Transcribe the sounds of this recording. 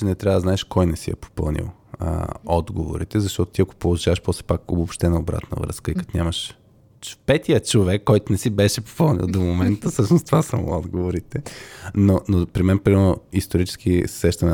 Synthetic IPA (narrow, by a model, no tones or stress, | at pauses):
ɛnɛt̪ɾʲavəd̪znaɛʃkɔjnɛsiɛ̰po̥pɤ̰lˠnḭlˠə̰ɔd̪ɡovo̰ɾḭt̪ɛzɐʃt̪ɔt̪o̥t̪iɐko̥polˠoʒavəʃpɔslɛ̥pako̰bopʃt̪ɛnɐobɾa̰t̪nə̰vɾɤ̰ə̰skəikɐ̥t̪onʲaməʃ | pɛt̪ijət͡ʃovɛkːɔjt̪onɛsibɛʃɛpo̥pɤlˠnḭlˠd̪omomɛnt̪əfsɤʃnost̪vasamo̰ɔd̪ɡovoɾit̪ɛnonopɾimɛnpɾinɛlˠnoist̪oɾit͡ʃɛ̥skʰiɛʃt̪ɐnɛ